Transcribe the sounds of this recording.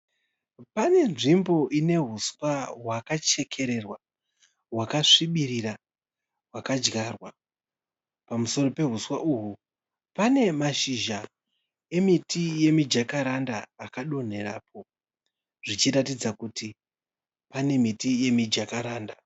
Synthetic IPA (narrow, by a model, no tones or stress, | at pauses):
pane̞nʐimbo̞ʔine̞ɦuswaɦwakat͡ʃe̞kʰe̞ɾe̞rwa | ɦwakaʂiɓiɾira | ɦwakad͡ʒɡarwa | pamuso̞rope̞ɦuswaʔuɦu | pane̞maʃiʒa | e̞mitije̞mid͡ʒakaɾandaːkaɗo̞n̤e̞ɾaːp̚ʰo̞ | ʐ̥it͡ʃiɾatid͡zakuti | pane̞mitije̞mid͡ʒakaɾaːnda